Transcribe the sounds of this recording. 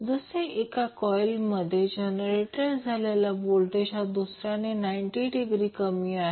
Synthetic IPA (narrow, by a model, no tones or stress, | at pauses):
d͡zəseekakɔjlməd̪ʱːjed͡ʑenəɾeʈəɾd͡zʱalelabolt̪et͡ɕad̪usɾanenaiɳʈiɖiɡɾiːkəmiːaɦe